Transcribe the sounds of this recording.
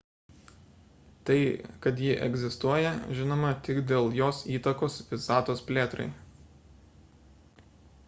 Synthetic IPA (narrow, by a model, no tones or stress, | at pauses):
t̪ɐɪkɐt̪jɪʔɛ̰ɡzʲɪst̪uɔjɛʒʲɪnoːmɐt̪ʲɪkd̪ʲeːlˠjoːsiːt̪ɐkoːsʋʲɪsɑːt̪oːspʲlʲeːt̪ɾɐ̰ɪ